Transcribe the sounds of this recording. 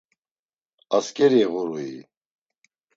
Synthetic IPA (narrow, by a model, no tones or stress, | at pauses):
askʼɛɾiɛɣuɾuḭ